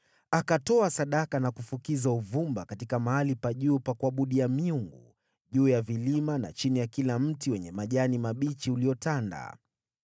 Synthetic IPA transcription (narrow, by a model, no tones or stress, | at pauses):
akatɔasaɗakanakufukizauvumbakatikamaalipaʄuːpakuaɓuɗiamiuŋɡṵ | ʄuːjavilimana̰t͡ʃinijakilam̩tiwɛɲɛmaʄanimaɓit͡ʃiuliɔtanda̰